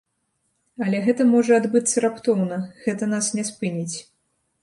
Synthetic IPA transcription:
ɐlʲɛɣɛt̪ɐmɔʐɐad̪bɨt̪sːɐɾapt̪ɔwnɐɣɛt̪ɐn̪asnʲɛspɨnʲit͡sʲ

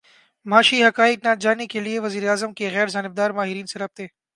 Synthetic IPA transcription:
maːʃiɦɐkaːɪk̚nad͡ʒaːnekelieʋɐziːɾeaːzəmkeɣɛːɾzaːnɪb̚d̪aːɾmaːɦɪɾiːnseɾɐb̚t̪ẽː

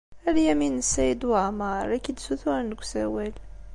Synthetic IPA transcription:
æɾjæminsæjəd̪wʕmɑɾˤækid̪suθuænɡʷsæwæl

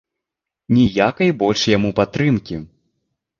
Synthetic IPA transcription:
nʲijakɐjbɔlʲʂjamupat̪ːɾɨmkʲi

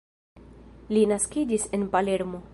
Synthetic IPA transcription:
linaskid͡ʒise̞npaleɾmo

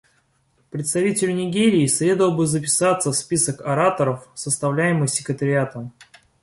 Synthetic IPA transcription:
pɾʲɪt̪st̪ɐvʲitʲɪlʲʊnʲɪɡʲeɾʲɪːsɾʲe̞d̪əvəlˠbɨzəp̬ʲɪ̥sat̪səfspʲisəkɐɾat̪əɾəfsəst̪ɐvlʲæjɪmɨxsʲɪkɾɪt̪əɾʲɪat̪əm

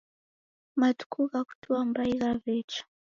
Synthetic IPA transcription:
matu̥kʰukaku̥tuwamɾaikavɛt͡ʃḁ

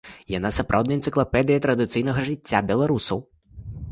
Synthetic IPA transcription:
janasapɾa̰wd̪nɐjt̪sɨklˠɐpɛd̪ɨjɐt̪ɾɐd̪ɨt̪sɨjnɐɣɐʐɨt͡sʲːabʲɛlˠaɾusɐw

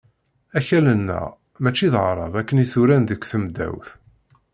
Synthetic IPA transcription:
æçælənːæ̰ | mæt͡ʃːiðʁɾˤɑ̰vækːəniθuɾænðəkʷːθəmd̪æ̰wθ

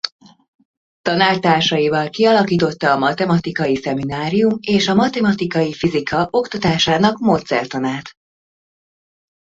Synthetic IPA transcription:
t̪ɒnaːlt̪aːrʃɒjivɒlkiɒlɒkiːt̪o̞t̪ːɒːmɒt̪ɛmɒt̪ikɒjisɛminaːɾijumeːʃɒmɒt̪ɛmɒt̪ikɒjifizikʰɒʔo̞kt̪ɒt̪aːʃaːnɒkmoːt̪sɛ̰rt̪ɒnaːt̪

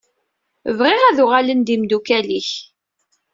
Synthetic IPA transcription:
vʁɪʁæðʊʁalənd̪imd̪ukæliç

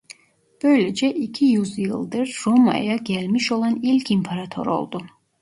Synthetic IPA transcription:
b̥ø̞jlɛd͡ʒɛʔicʰijyzjɯ̰lˠd̪ɯɾːoma̰jaɟælʲmiʃo̞lˠɑnilʲcʰimpʰaɾat̪ʰo̞̰ɾo̞̰lˠd̪u

